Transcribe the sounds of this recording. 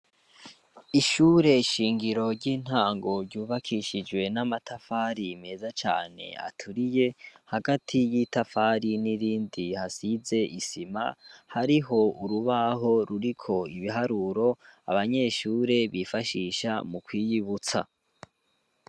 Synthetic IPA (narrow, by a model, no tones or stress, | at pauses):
iʃuːɾe̞ʃiːŋɡiɾo̞ɾɟiːn̥haːŋɡo̞ɾɟuːβakʰiʃid͡ʒwe̞namatʰafaːɾime̞zat͡ʃa̰ːne̞̰a̰tʰuɾije̞haɡatʰijitafaɾiniɾiːndihasize̞ʔisima̰haɾiɦo̞uɾuβaɦo̞ɾuɾikʰo̞iβiɦaɾuɾo̞a̰βaɲe̞ʃuːɾe̞βifaʃiʃa̰mukwiːjiβut͡sa̰